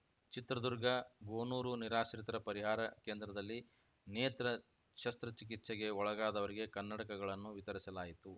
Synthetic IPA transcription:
t͡ʃit̪ɾɐd̪uɾɡɐɡoːnuːɾuniɾaːʃɐɾit̪ɐɾɐpɐɾiɦaːɾɐke̞ːnd̪ɾɐd̪ɐlːi | neːt̪ɾɐ | ʃɐst̪ɾɐt͡ʃik̬it̪ʃeɡe̞ɔɭɐɡaːd̪ɐʋɐɾiɡe̞kɐnːɐʈɐkɐɡɐɭɐnːuʋit̪ɐɾisɐlaːjit̪u

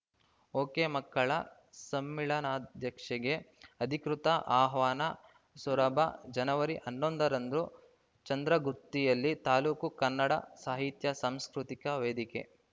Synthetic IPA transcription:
oːkeːmɐkːɐɭɐ | sɐmːiɭɐnaːd̪ʱjɐkʂɐɡeɐd̪ʱikɾut̪ɐʔaːɦʋaːnɐ | sɐɾɐbʱɐd͡ʒɐnɐʋɐɾiʔɐnːond̪ɐɾɐnd̪ɾu | t͡ʃɐnd̪ɾɐɡuɾt̪ːijɐlːit̪aːluːkukɐnːɐɽɐsaːɦit̪jɐsaːmskɾut̪ikɐʋeːd̪ikḛ

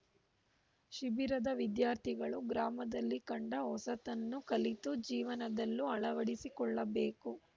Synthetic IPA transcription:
ʃibiɾɐd̪ɐʋid̪jaːɾt̪ʰiɡɐɭuɡɾaːmɐd̪ɐlːikɐɳɖɐɦɔsɐt̪ɐnːukɐlit̪ud͡ʒiːʋɐnɐd̪ɐlːuɐɭɐʋɐɽisikɔɭːɐbeːku

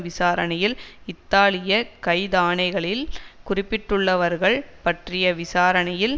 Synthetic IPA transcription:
ʋɪsaːɾɐnɐjɪlɪt̪ːaːlɪjɐkɐɪðaːɳɐɪɣɐɭɪlkʊrɪpːɪʈːɯɭːɐʋɐɾɣɐɭpɐʈrɪjɐʋɪsaːɾɐnɐjɪl

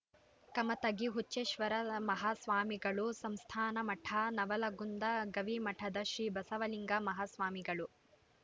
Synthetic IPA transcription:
kɐmɐt̪ɐɡiɦut͡ʃːeːʃʋɐɾɐmɐɦaːsʋaːmiɡɐɭusɐmst̪ʰaːnɐmɐʈʰanɐʋɐlɐɡund̪ɐɡɐʋimɐʈʰɐd̪ɐʃɾiːbɐsɐʋɐliŋɡɐmɐɦaːsʋaːmiɡɐɭu

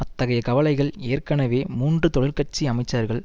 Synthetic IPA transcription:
ɐt̪ːɐɣɐjɐkɐʋɐlɐɪɣɐɭeːrkɐnɐʋeːmuːndrɯt̪ɔɭɪlkɐʈ̚t͡ʃːiɐmɐɪt͡ʃːɐɾɣɐɭ

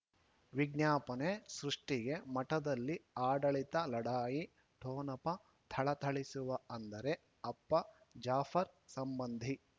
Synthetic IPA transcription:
ʋiɡnjaːpɐnesɾuʂʈiɡe̞mɐʈɐd̪ɐlːiaːɖɐɭit̪ɐlɐɽaːji | ʈʰoːnɐpɐ | t̪ʰɐɭɐt̪ʰɐɭisuʋɐɐnd̪ɐɾe̞ | ɐpːɐd͡ʒaːfɐɾsɐmbɐnd̪ʱi

